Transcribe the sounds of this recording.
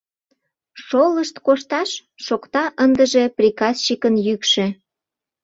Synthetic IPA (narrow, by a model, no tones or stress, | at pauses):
ʃoləʃt̪koʃt̪ɑʃː | okt̪ɑʔənd̪əʒeprʲikɑst͡ɕikənjykʃĕ